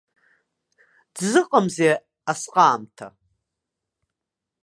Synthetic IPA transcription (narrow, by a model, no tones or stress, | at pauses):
d̥zɨqʼamze | asqʼaːmtʰa̰